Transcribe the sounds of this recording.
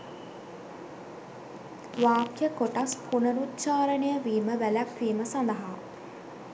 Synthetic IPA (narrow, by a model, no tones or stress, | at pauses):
ʋaːkjəkoʈaspʰunəɾut̪t͡ʃaːɾənəjəʋiːməʋælækʋiːməsand̪əɦa